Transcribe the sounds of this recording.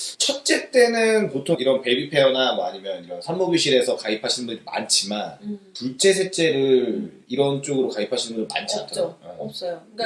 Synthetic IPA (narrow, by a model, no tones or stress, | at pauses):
t͡ɕʰʌt̚t͡ɕ͈e̞t͈e̞nɯnpotʰoŋiɾʌnpe̞bipʰe̞onamʌaɲimjʌniɾʌnsʰanmobiɕʰiɾe̞sʰʌkaipʰaɕʰinɯnbundma̰nt͡ɕʰimantut͡ɕ͈ʰe̞sʰet͡ɕ͈e̞ɾɯɾ | iɾʌnt͡ɕ͈oɡɯɾokaipʰaɕʰinɯnbundma̰nt͡ɕʰitʰʌɾaɡujo